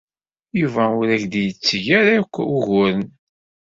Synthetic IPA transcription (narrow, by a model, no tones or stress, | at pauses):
juvæʊɾæçd̪jət͡sːʝaɾajkʷːʊʝʊɾən